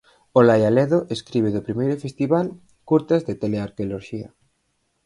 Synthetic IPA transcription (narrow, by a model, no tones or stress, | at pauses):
olajalɛðoʔeskɾiβeðopɾimejɾʊfest̪iβal | kuɾt̪azðet̪eleaɾkeoloɾʃia̰